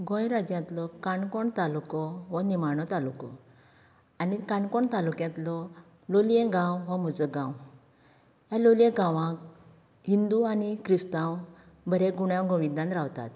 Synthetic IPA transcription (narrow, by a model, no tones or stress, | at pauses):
ɡɔ̃jɾad͡ʑjãt̪lɔkaɳkɔɳt̪alukɔɦɔnimaɳ̃ɔt̪alukɔ̰ | anikãɳkɔɳt̪alukjãt̪lɔ | loljɛ̃ɡãwɦɔmud͡zəɡãw | jãloljẽɡãʋãk | ɦind̪uanikɾist̪ãw | bʱəɾeɡuɽjãwɡɔ̃ʋid̪ãnt̪ɾawt̪a̰t̪